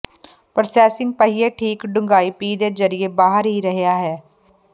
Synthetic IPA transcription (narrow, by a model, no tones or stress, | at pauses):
pəɾsɛːsɪ̃ŋɡ̚pəɦiːeːʈʰiːkɖʊŋɡaːiːpiːd̪eːzəɾɪjeːbaːɦəɾɦiːɾəɦejaːɦɛː